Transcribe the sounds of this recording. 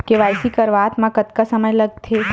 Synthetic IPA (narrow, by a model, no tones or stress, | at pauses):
keʋajsikəɾʋaːt̪mãkət̪kasəməjləɡ̚t̪ʰe